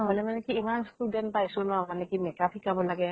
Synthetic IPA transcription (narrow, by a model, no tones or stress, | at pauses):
ɔlɛmanɛkiimanstuɖenpajsolãmanɛkimekapʰikabolaɡɛ